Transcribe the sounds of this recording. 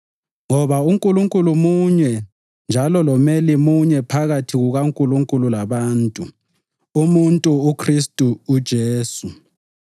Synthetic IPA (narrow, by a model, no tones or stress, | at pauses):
ŋɔβauŋkʼuluŋkʼulumuɲɛ | nd͡ʒʱalɔlɔmɛlimuɲɛpʰaɣatʰiɣuɣaŋkʼuluŋkʼululaβaːntʼu | umuntʼuːkʰristʼuːd̥ʒ̥ʱeːsu